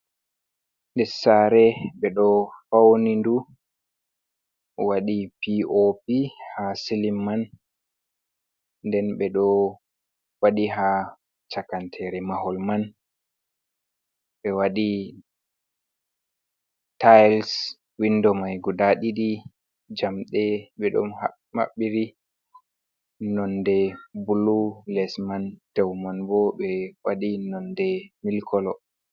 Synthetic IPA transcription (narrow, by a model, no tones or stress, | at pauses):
ndɛsaɾɛɓɛɗɔfawnindu | waɗipiopihasilimːan | dɛnɓɛɗɔ | waɗiɦa | t͡ʃakantʰɛɾɛmahɔlman | ɓɛwaɗi | tajls | windɔmajɡudaɗiɗi | d͡ʒamɗɛɓɛɗɔ̰mha | ha̰ɓːiɾi | nɔndɛbululɛsmand̥ɛwmanbɔɓɛwaɗinɔndɛmilkʰɔlɔ